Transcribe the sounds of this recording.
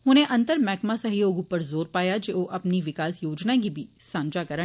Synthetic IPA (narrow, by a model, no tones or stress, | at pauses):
ɦʊnẽʔɐ̃nt̪əɾmɛːkmasɐɦjoːɡõpɐɾzoːɾpaːjad͡ʒeoʔɐpniʋɪkaːsjoːd͡ʒnak̬ibʱi | sãːnd͡ʒakɐɾə